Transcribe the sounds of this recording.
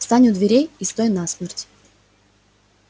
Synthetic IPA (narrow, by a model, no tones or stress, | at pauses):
st̪anʲʊd̪vʲɪɾʲejist̪ojɪnasmʲertʲ